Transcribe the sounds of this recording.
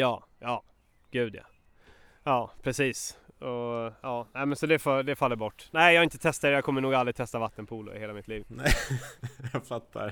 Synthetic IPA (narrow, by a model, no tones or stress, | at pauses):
jɑːjɑː | ɡ̥ʉ̟ːd̪ja̰ | jɑːpʰɾɛsiːsɔɑːnæɪmɛnsɔd̪ɛfod̪ɛfalːəɾbɔʈːnæɪjɑːɡaɪnt̪ə̥t̪ʰɛst̪ad̪ɛjɑːɡkʰɔmːəɳuːɡald̪ɾɪt̪ʰɛst̪avat̪ːənpʰuːlʊ̰ɪ̰heːlamɪt̪liːvnɛ | ɑfat̪ʰːa̰ɾ